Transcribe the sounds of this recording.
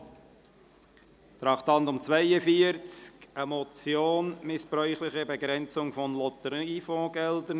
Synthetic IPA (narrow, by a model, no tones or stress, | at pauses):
t̪ɾɑχt̪ɑntʊmt͡svæɪəfiəɾt͡skəmɔt͡sjoːnmɪspɾœʏχlɪχəbɛɡɾɛnt͡sʊŋfɔnlɔt̪əɾifɔ̃ːɡɛldən